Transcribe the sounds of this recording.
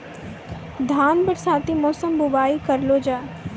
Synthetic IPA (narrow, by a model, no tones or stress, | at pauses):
d̪ʱaːnbəʈsaːt̪imɔːsəmbʊbaːikɐɾloːd͡ʒaː